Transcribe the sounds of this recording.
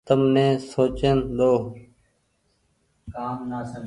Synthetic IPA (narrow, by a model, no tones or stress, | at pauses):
t̪əmnẽːsoːt͡ʃənd̪oː | kaːmnaːsə